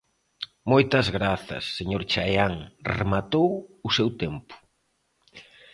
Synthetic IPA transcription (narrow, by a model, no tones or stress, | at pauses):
mojt̪ɐzɣɾaθɐ̰sːeɲoɾt͡ʃajaŋremat̪owʊsewt̪empʊ̥